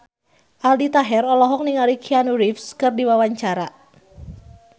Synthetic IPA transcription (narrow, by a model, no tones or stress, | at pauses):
ʔaldit̪aɦɛrɔlɔɦɔk̚niŋaɾikʰianuɾifskɨrdiwawaɲt͡ʃaɾa